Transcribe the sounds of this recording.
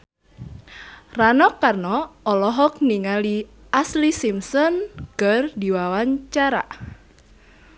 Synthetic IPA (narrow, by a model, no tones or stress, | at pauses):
ranɔkːarnɔɔlɔɦɔk̚niŋali | aslisimsɔnkərdiwawaɲt͡ʃaɾa̰